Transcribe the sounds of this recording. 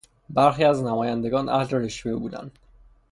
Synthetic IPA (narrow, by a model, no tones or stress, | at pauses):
bæɾxiːæznæmɒːjænd̪e̞ɡɒːnʔæhleɾeʃvebuːd̪æ̰nd̪̥